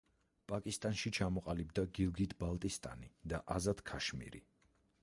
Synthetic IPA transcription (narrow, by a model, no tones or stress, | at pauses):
pʼakʼist̪ʼanʃit͡ʃʰamɔqʼalibd̪aɡilˠɡit̪ʰbalˠt̪ʼist̪ʼa̰nid̪aʔazad̪̥kʰaʃmḭɾḭ